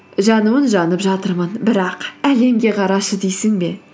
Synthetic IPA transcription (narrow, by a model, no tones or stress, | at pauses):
ʒɑnuwənʒɑnəpʒɑt̪əɾmənbɪɾɑqæle̞mɡʲe̞qʰɑɾɑʃəd̪ejsɪŋbe̞